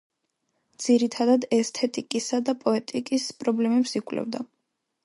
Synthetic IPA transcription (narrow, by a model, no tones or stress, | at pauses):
d̪z̥iɾit̪ʰad̪ad̪ɛst̪ʰɛt̪ʼikʼisad̪apʼɔɛt̪ʼikʼispʼɾɔblɛmɛpsikʼlɛ̰vd̪a